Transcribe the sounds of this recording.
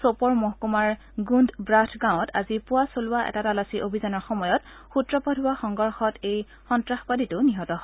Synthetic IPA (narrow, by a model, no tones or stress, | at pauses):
sopɔɹmoɦkumaɹ | ɡundbɹatʰɡaw̃ta̰zipʊwasolʊwaʔɛ̰tatalasiʔobʱizanɔɹxɔmɔjɔt | xutɹɔpɔdʱʊwaxɔŋɡɔɹxɔtej | xɔntɹaxpaditʊniɦɔtɔɦ